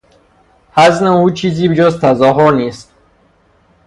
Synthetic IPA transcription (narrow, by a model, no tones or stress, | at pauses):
haznaut͡ʃʰizibd͡ʒɔzt̪ʰazɔɦɔnist̪̚